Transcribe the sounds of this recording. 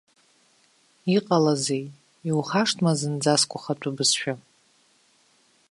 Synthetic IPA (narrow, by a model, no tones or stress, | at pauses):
iqʼalazej | iwχaʂtʰmazɨnd͡zaskʷʼʊχatʷʼʊbɨsʃᶣa